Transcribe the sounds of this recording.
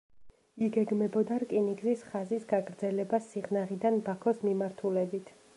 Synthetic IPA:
iɡɛɡmɛbɔd̪aɾkʼiniɡzisχazisɡaɡɾd̪zɛlɛbasiʁnaʁid̪anbakʰɔsmimaɾt̪ʰulɛbit̪ʰ

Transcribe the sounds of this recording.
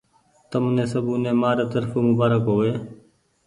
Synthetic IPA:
t̪əmnẽːsəbʱuːnẽːmaːɾeːt̪əɾfoːmʊbaːɾəkɦoːʋeː

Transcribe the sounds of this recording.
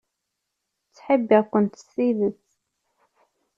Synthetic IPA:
t͡sːħəbːiʁkənt̪ə̥siðət͡s

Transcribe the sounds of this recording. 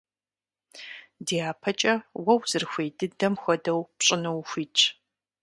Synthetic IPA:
deːaːpʰɐt͡ʃʼɐwɐwzɨrxʷejdɨdɐmxʷɐdɐwpɕʼɪnɐwxʷiːt͡ʃʰʼ

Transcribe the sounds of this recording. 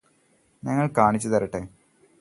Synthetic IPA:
ɲɐŋːɐɭkaːɳit͡ɕːɨt̪ɐɾɐʈːe

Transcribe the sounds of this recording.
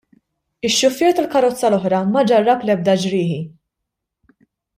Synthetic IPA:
ɪʃːʊfːɛːɾt̪ɐlkɐɾɔt͡sːɐlɔħɾɐmɐd͡ʒɐrːɐplɛb̚d̪ɐd͡ʒɾɪːħi

